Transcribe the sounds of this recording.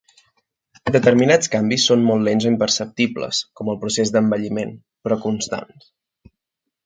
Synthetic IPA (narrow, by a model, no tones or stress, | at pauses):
d̪ət̪əɾminat͡skambisːonmɔlˠːlenzoimpərsəp̚t̪iblə̰skɔməlˠpɾusezd̪əmbəʎimen | pɾɔkunst̪a̰n